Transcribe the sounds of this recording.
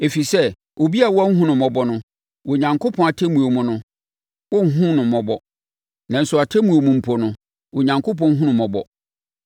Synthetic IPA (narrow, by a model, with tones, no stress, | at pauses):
e˨fi˨sɛ˦ | ʔo˨bi˦a˨wɔ˦a˦ŋ̩˦ɦũ˦nʊ̃˨mɔ̃˨bɔ˦nʊ̃˦ | wɔ˨ɲã˨ŋkʰo˦pʰɔ̃˦a˨tʰɛ˦mũ˨o˨mʊ̃˦nʊ̃˦ | wɔ˦ŋ̩˦ɦũ˦nʊ̃˨mɔ̃˨bɔ˨ | nã˨n̩˨sʊ˨a˨tʰɛ˦mũ˨o˨mũ˨m̩˨pʰo˨nʊ̃˦ | wo˨ɲã˨ŋkʰo˦pʰɔ̃˦ŋ̩˦ɦũ˦nʊ̃˨mɔ̃˨bɔ̰˨